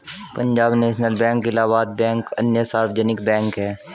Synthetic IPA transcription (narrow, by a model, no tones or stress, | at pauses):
pə̃ɲd͡ʒaːbneːʃnəlbɛ̃ːŋkːelaːʋat̪̚bɛ̃ːŋkə̰njəsaːɾfd͡ʒɛnɪkbɛ̃ːŋkɦɛː